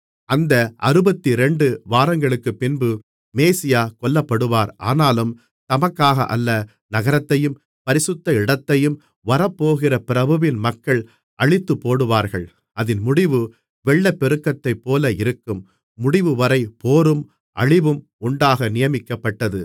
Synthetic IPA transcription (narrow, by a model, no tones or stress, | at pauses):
ɐnd̪ɐɐɾɯbɐt̪ːiɾɛɳɖɯʋaːɾɐŋɡɐɭɯkːɯpːɪnbɯ | meːsɪjaːkɔlːɐpːɐɽɯʋaːɾʔa̰ːnaːlɯm | t̪ɐmɐkːaːɣɐ̰ʔɐ̰lːɐ | nɐɣɐɾɐt̪ːɐjɯm | pɐɾɪsɯt̪ːɐɪɽɐt̪ːɐjɯm | ʋɐɾɐpːoːɣɪrɐpɪɾɐbɐʋɪnmɐkːɐɭ | ʔɐɻɪt̪ːɯpːoːɽɯʋaːɾɣɐɭ | ʔɐðɪnmʊɽɪʋɯ | ʋɛɭːɐpːɛɾɯkːɐt̪ːɐɪpːoːlɐɪɾɯkːɯmː | ʊɽɪʋɯʋɐɾɐɪpoːɾɯm | ʔɐ̰ɻɪʋɯm | ʊɳɖaːɣɐnɪjɐmɪkːɐpːɐʈːɐðɯ